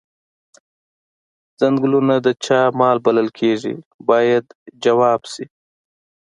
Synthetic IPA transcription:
z̥aŋɡlunad̪ət͡ʃɑːmɑlbaləlkʰeʐḭbɑjad̪d͡ʒawɑːbsi

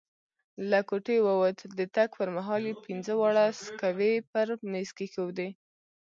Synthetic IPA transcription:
lakoʈewawət̪d̪ət̪akpəɾmaɦɑlepinzəwaɽaskawepəɾneskexowd̪e

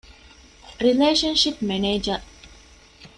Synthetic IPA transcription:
ɾileːʃɐ̃nʃipmɛneːd͡ʒɐ

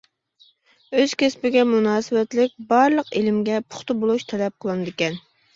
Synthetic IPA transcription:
øz̥kʲespɪɡʲɛmunɑːsɨwɛt̪lɪk̚ʲbɑɾlˠəqelɪmɡʲɛpʰʊ̥χt̪ɨbolˠuʃt̪ʰɛlɛp̚qʰəlˠɨnɨd̪ɪkʲɛn

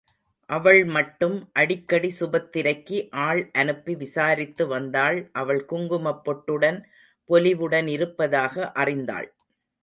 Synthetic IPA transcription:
ʔɐʋɐɭmɐʈːɯmʔɐɽɪkːɐɽisʊbɐt̪ːɪɾɐɪkːɯʔaːɭʔɐnɯpːiʋɪsaːɾɪt̪ːɯʋɐnd̪aːɭʔɐʋɐɭkʊŋɡɯmɐpːɔʈːɯɽɐn | pɔlɪʋɯɽɐnɪɾɯpːɐðaːɣɐʔɐrɪnd̪a̰ːɭ

